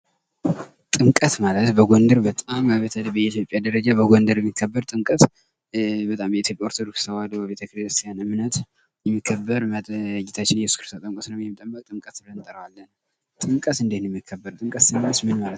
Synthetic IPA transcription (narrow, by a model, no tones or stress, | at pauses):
t̪ʼɨŋkʼət̪malət̪bəɡʷond̪əɾbət̪ʼamːaβət̪ʰəlːəbəit̪ʰjo̞pʼjad̪əɾəd͡ʒabəɡʷond̪əɾjɛmːikʰːəbːəɾt̪ʼɨŋkʼət̪ | bət̪ʼambɛit̪ʰjo̞pʼjaoɾt̪ʰod̪oksʰəwalbəβet̪ʰəkɾist̪ʰijanɨmnət̪ | jɛmːikʰːəbːəɾmət̪d͡ʒːɪt̪ʰat͡ʃːɪnjɛsu̥skʰɾɨst̪ʰot̪ʼɨŋkʼət̪nəwjɛmːt̪ʼəbəkʼt̪ʼɨŋkʼət̪bɨlənɨnt̪ʼəɾəwalːən | t̪ʼɨŋkʼət̪ɨnd̪et̪njɛmːikʰːəbːəɾt̪ʼɨŋkʼət̪sɨmːsmɨnmalət̪